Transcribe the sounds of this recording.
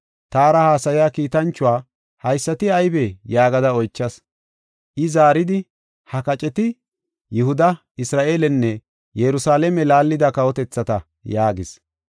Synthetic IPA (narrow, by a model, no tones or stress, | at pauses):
t̪aːɾɐhaːsɐjaːkiːt̪ɐnt͡ʃːʊwaː | hɐjsːɐt̪ɪɐjbɛjaːɡɐd̪ɐɔjt͡ʃːɐs | ʔɪzaːɾɪd̪ɪ | hɐkɐt͡ʃʼɛt̪ɪ | jʊhʊd̪ɐ | ɪsɾaːʔe̞ːlɛnːɛ | jɛɾʊsaːlɛmɛlaːlːɪd̪ɐkɐwɔt̪ɛt͡sːɐt̪ɐ | jaːɡɪs